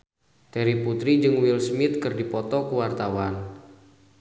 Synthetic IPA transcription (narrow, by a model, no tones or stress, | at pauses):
t̪ɛɾiput̪ɾid͡ʒɨŋwilsmɪt̪̚kɨrdipɔt̪ɔkuwart̪awan